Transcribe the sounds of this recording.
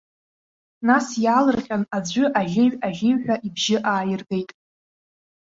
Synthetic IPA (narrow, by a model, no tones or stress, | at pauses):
nasjaːlɨrqʲʼanad͡zʷʏʔaʒʲɪɥaʒʲɪɥħʷᶣaʔibʒɪʔaːjɪrɡe̞jtʼ